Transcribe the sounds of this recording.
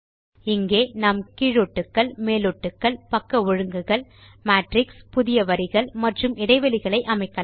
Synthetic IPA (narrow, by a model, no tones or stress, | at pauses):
ɪŋɡeːnɐmkɪɻɔʈːɯkːɐɭmeːlɔʈːɯkːɐɭpɐkːɐɔɻɯŋɡɯɣɐɭ | maːʈɾɪkspʊðɪjɐʋɐɾɪɣɐɭmɐʈrɯmɪɽɐɪʋɐlɪɣɐɭɐɪʔɐmɐɪkːɐ